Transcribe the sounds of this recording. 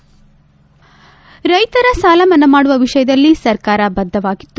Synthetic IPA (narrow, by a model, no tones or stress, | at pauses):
ɾɐjt̪ɐɾɐsaːlɐmɐnːɐmaːɽuʋɐʋiʂɐjɐd̪ɐlːisɐɾkaːɾɐbɐd̪ʱːɐʋaːɡit̪ːu